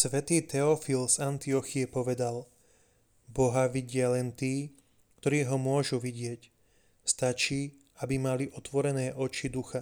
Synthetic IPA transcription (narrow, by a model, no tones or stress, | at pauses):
sʋɛt̪iːt̪ɛɔfilzant̪iɔxiɛpɔʋɛd̪al | bɔɦaʋiɟɪalɛnt̪iː | kt̪ɔɾiːɦɔmʊɔʒuʋiɟɪɛc | st̪at͡ʃiː | abimaliʔɔt̪ʋɔɾɛnɛːʔɔt͡ʃid̪uxa